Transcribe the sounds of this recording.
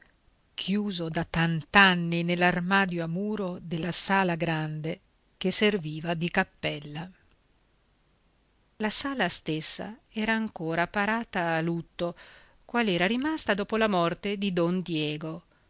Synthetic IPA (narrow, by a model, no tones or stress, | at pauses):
kʰjuːzod̪at̪ant̪anːinelːarmaːd̪joamuːɾod̪elːasaːlaɡɾand̪e | k̟eserviːvad̪ikapːɛlːa | lasaːlast̪esːa̰ɛːɾaːŋkoːɾapaɾaːt̪aːlut̪ːo | kwaːlɛːɾaɾimast̪ad̪ɔːpolamɔrt̪ed̪id̪ɔnd̪jɛːɡo